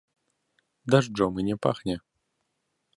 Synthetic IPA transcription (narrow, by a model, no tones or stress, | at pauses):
d̪aʐd͡ʐɔmɨnʲɛpa̰xnʲɛ